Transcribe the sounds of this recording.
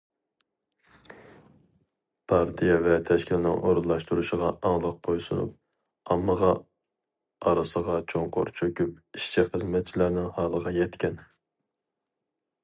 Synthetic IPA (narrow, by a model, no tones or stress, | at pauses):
pʰɑɾt̪ʰijɛvɛt̪ʰɛʃkʲʰilɪnɪ̰ŋʔoɾunlˠɑʃt̪uɾuʃəʁɑɑŋlˠəq̚qʰojsunṵp̚ | ɑmːəʁɑ | ɑɾɨsəʁɑt͡ʃʰoŋqʰo̰ɾt͡ʃʰøkʲyp̚iʃt͡ʃʰiχəzmɛt̪̚t͡ʃʰilæɾnɪŋhɑːlˠəʁɑjɛt̪kʲɛn